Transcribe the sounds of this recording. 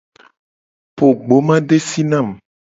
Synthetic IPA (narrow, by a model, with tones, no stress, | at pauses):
po˨ɡ͡bo˨˦mã˦ɖe˦si˦nã˦˨m